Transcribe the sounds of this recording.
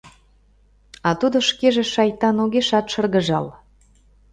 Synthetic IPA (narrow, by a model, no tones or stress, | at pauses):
ɑt̪ud̪oʃkeʒeʃɑjt̪ɑnoɣeʃɑt̪ʃɤ̆rɣə̆ʒɑ̰l